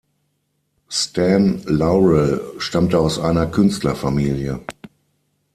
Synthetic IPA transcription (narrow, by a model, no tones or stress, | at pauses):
stʰɛnlaʊʁɛlʃtamtəaʊsʔaɪnɐkʰʏnstlɐfamiːljə